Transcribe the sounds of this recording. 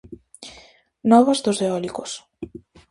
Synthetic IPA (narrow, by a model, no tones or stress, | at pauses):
nɔβɐzðozeɔlikos